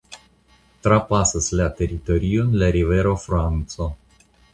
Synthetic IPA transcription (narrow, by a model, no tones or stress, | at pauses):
t̪ɾapasəsʲlat̪eɾit̪oɾionlaɾiveɾofɾant̪so